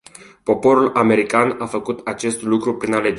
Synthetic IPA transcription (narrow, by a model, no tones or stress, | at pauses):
po̞po̞ɾulʔame̞ɾikanafəkut̪at͡ʃe̞st̪lukɾupɾinale̞d͡ʒ